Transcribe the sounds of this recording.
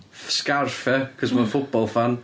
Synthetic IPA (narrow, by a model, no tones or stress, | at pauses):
skarfɛkʰɔsmanfʊbɔlˠfan